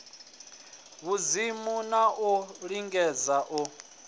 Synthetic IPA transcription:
βuzimunaʔɔɺiŋɡɛd͡zaʔɔ

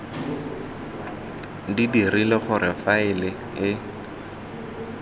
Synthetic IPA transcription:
didirilɪχʊrɪfaɪlɪ | ɪ

